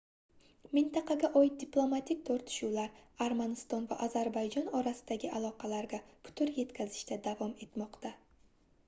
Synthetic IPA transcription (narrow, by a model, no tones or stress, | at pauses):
mɪnt̪ʰaqʰɑɡʲaʔɒjɪt̪̚d̪iplˠo̞mat̪ʰik̚ʲt̪ʰoɾt̪ʰɪ̥ʃuwlaɾaɾmanɪst̪ɒnvaʔazaɾbajd͡ʒɒnɒɾasɪ̥d̪aɡʲɪʔalˠɒqʰɑlaɾɡʲapʰʊ̥t̪ʰʊɾje̞t̪kʲʰazɪʃt̪ʰad̪avɒme̞t̪mɒqt̪a